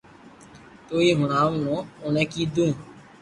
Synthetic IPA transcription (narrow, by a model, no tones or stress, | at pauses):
t̪oːiːɦʊnaːʋnõːʊnẽːkiːd̪ũː